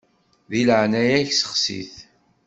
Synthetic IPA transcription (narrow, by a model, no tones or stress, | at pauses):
ðiləʕnæjæçsə̥χsḭθ